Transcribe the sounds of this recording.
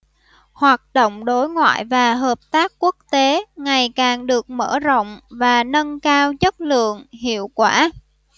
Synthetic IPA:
hwaː˨˩t̚ɗo̰˧˨wŋ͡mɗo˨˦jŋwa̰ː˧˨jvaː˨˩ɦəː˨˩p̚t̪aː˦˥k̚ku˦˥ək̚t̪e˨˦ŋa˨˩jkaː˨˩ŋɗɨ˨˩ək̚mə̰ː˧˩zo̰˧˨wŋ͡mvaː˨˩nə˧nkaː˧wt͡ɕə˦˥t̚lɨ̰˧˨əŋhḭ˧˨əwkwaː˧˩

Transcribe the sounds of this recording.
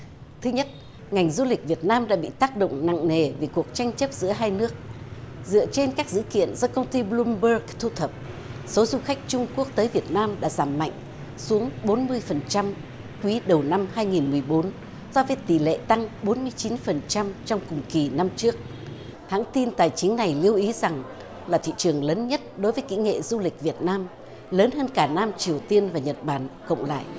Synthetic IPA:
t̪ʰɨ˨˦ɲə˦˥t̚ | ŋa˨˩jŋ̟zu˧lï˨˩k̟̚vi˨˩ət̚naː˧mɗa̰ː˧˥ɓḭ˧˨t̪aː˦˥k̚ɗo̰˧˨wŋ͡mna̰˧˨ŋŋe˨˩ve˨˩ku˨˩ək̚t͡ɕa˧jŋ̟t͡ɕə˦˥p̚zɨ̰˧˥əɦaː˧jnɨ˦˥ək̚zɨ̰˧˨ət͡ɕe˧nkaː˦˥k̚zɨ̰˧˥kḭ˧˨ənzɔ˧kə˧wŋ͡mt̪i˧ɓlu˧mɓə˧˥kt̪ʰu˧t̪ʰə˨˩p̚ | so˨˦zu˧xa˦˥jk̟̚t͡ɕʊ˧ŋ͡mku˦˥ək̚t̪əː˨˦jvi˨˩ət̚naː˧mɗa̰ː˧˥zaː˧˩mːa̰˧˨jŋ̟ | su˨˦əŋɓo˨˦nmɨ˧əjfə˨˩nt͡ɕa˧m | kwi˨˦ɗə˨˩wna˧mhaː˧jŋi˨˩nmɨ˨˩əjɓo˨˦n | z̥ɔ˧vəː˨˦jt̪i˧˩lḛ˧˨t̪a˧ŋɓo˨˦nmɨ˧əjt͡ɕi˨˦nfə˨˩nt͡ɕa˧mt͡ɕɔ˧wŋ͡mkʊ˨˩ŋ͡mki˨˩na˧mt͡ɕɨ˦˥ək̚ | ha̰ː˧˥ŋt̪i˧nt̪aː˨˩jt͡ɕï˨˦ŋna˨˩jli˧əwʔi˨˦za˨˩ŋ | laː˨˩t̪ʰḭ˧˨t͡ɕɨ˨˩əŋləː˨˦nɲə˦˥t̚ɗo˨˦jvəː˨˦jkḭ˧˥ŋḛ˧˨zu˧lï˨˩k̟̚vi˨˩ət̚naː˧m | ləː˨˦nhəː˧nkaː˧˩naː˧mt͡ɕi˨˩əwt̪i˧ənvaː˨˩ɲə˨˩t̚ɓaː˧˩nkə̰˧˨wŋ͡mla̰ː˧˨jʔ

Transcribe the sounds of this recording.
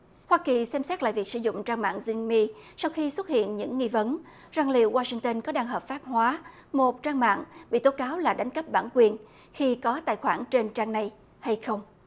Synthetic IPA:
hwaː˧ki˨˩sɛ˧msɛ˦˥t̚la̰ː˧˨jvi˨˩ək̚sɨ̰˧˩zʊ̰˧˨ŋ͡mt͡ɕaː˧ŋma̰ː˧˨ŋzï˧ŋmi˧sa˧wxi˧swə˦˥t̚hḭ˧˨ənɲɨ̰˧˥ŋːi˧və˨˦n | zaː˧˩ŋlḭ˨˧˨əwwaː˧si˧ŋt̪ə˧nkɔ˨˦ɗaː˧ŋɦəː˨˩p̚faː˦˥p̚hwaː˨˦ | mo˨˩t̚t͡ɕaː˧ŋma̰ː˧˨ŋɓḭ˧˨t̪o˨˦kaː˨˦wlaː˨˩ɗa˨˦jŋ̟kə˦˥p̚ɓaː˧˩nkwi˨˩ən | xi˧kɔ˨˦t̪a̰ː˧˨jxwaː˧˩nt͡ɕe˧nt͡ɕaː˧ŋna˧j | ha˧jxə˧wŋ͡m

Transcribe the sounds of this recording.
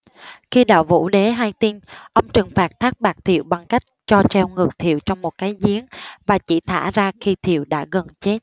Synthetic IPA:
xi˧ɗa̰ː˧˨wvṵ˧˥ɗe˨˦ɦaː˧jt̪i˧nʔə˧wŋ͡mt͡ɕɨ˨˩ŋfaː˨˩t̚t̪ʰaː˦˥k̚ɓaː˨˩t̚t̪ʰḭ˧˨əwɓa˨˩ŋka˦˥jk̟̚t͡ɕɔ˧t͡ɕɛ˧wŋɨ˨˩ək̚t̪ʰḭ˧˨əwt͡ɕɔ˧wŋ͡mmo˨˩t̚kaː˨˦jzi˨˦ənvaː˨˩t͡ɕḭ˧˩t̪ʰa̰ː˧˥zaː˧xi˧t̪ʰḭ˧˩˨əwɗa̰ː˧˥ɣə˨˩nt͡ɕe˦˥t̚

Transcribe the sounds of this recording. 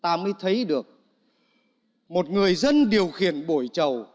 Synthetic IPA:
t̪aː˧mə˨˧˦əjt̪ʰə˨˦jɗɨ˨˩ək̚ | mo˨˩t̚ŋɨ˨˩əjzə˧nɗi˨˩əwxi˧˩ənɓo˧˩jt͡ɕə˨˩w

